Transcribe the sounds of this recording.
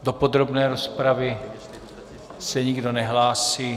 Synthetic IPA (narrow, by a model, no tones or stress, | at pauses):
dopo̞d̪ɾo̞bnɛːɾospɾavɪ | sɛɲɪɡdo̞nɛɦlaːsiː